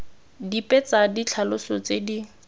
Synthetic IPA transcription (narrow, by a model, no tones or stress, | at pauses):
dipʼɛt͡sadit͡ɬʰalʊsɔt͡sedi